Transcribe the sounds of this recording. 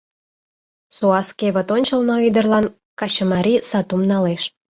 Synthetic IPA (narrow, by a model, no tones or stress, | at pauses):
soɑskeβə̆t̪onʲt͡ɕəlnoyd̪ərlɑn | kɑɕəmɑɾʲisɑt̪umnɑleʃ